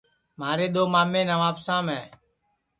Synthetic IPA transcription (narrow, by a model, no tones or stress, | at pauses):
maːɾeːɗ̪oːmaːmẽːnəʋaːpsãːmɛ̃ː